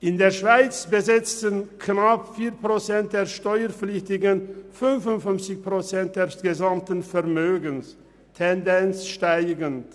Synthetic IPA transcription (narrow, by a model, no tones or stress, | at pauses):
ʔɪndeːɐʃv̥aɪt͡sb̥əzɛt͡stənkʰnapfiːɐpʁ̥ot͡sɛnt̚d̥eːɐʃtɔʏəp͡flɪçtɪɡənfʏnfʊntfʏnft͡sɪçpʁ̥ot͡sɛnt̚d̥eːɐsɡ̥əzamtən̩fɛʁmøːɡəns | tʰɛndɛnt͡sʃtaɪɡənt